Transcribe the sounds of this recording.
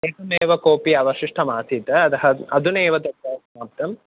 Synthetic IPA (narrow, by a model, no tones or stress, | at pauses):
eːkɐmeːʋɐkoːpiɐʋɐʃiʂʈʰɐmaːt̪it̪ɐɐd̪ɐɦɐɐd̪uneːʋɐd̪ɐkːɐɐsɐmaːp̚t̪ɐm